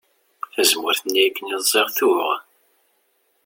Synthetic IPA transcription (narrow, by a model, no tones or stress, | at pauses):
θæzmʊɾθənːikːənizˤːeʁθuʁ